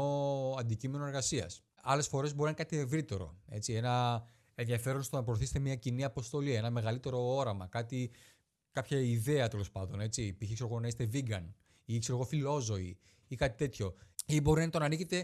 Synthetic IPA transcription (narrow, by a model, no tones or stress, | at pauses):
oɐnd̪icime̞noeɾɣɐsiɐ̰s | ɐle̞sfo̞ɾe̞zbo̞ɾinɐnkɐt̪ie̞vɾit̪e̞ɾo̞̰e̞t͡sie̞nɐ | e̞nðiɐfe̞ɾonst̪onɐp̬ɾoθise̥t̪emɲɐciniɐpo̞st̪o̞lie̞nɐme̞ɣɐlit̪e̞ɾo̞o̞ɾɐmɐkɐt̪i | kɐpçɐiðe̞ɐt̪e̞lo̞spɐnd̪o̞ne̞t͡sipiçiksoɣonɐist̪e̞viɡɐ̰n | ikse̞ɾoɣo̞filo̞zo̞ḭ | ikɐt̪i̥t̪e̞t̪ço̞ibo̞ɾinɐnit̪onɐniçet̪e̞